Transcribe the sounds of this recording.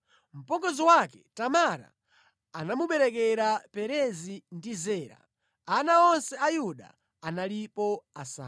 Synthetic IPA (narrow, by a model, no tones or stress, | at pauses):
m̩pɔɡɔziwakɛ̥tamaɾa̰ː | namuɓɛɾɛkɛɾapɛɾɛzindizɛːɾa̰ | anaɔnsɛajuɗa̰ | analipɔasa̰ː